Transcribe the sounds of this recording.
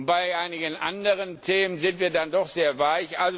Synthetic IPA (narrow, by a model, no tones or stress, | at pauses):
b̥aɪʔaɪnɪɡənʔa̰ndəʁəntʰeːmənzɪntv̥iːɐdandɔχz̥eːɐvaɪçʔalz